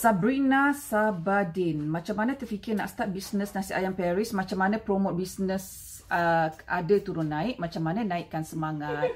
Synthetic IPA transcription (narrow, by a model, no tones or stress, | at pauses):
sabɾinasabadinmat͡ʃamːanãt̪ərfikɪrna̰ʔsə̥t̪at̪̚bisnəsnasiʔajampɛɾismat͡ʃamːanãpɾomot̪̚bisnəs | əʔa̰dət̪uɾʊnːaɪk̚mat͡ʃamːanãnaɪʔkːansəmaŋatt̪̚